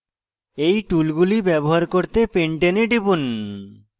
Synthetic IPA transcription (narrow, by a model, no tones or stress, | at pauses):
ejʈulɡulibɛboɦaɾkoɾt̪epeɳʈeneɖibun